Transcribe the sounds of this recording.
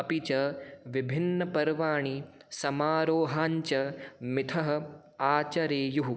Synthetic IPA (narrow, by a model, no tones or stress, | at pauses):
ɐpit͡ʃɐʋibʱinːɐpɐɾʋaːɳi | sɐmaːɾoːɦaːɲt͡ʃɐmɪt̪ʰɐɦɐ̆ | aːt͡ʃɐɾeːjuɦu